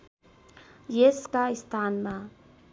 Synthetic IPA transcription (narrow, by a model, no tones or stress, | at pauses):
jeskaɪst̪ʰaːnmã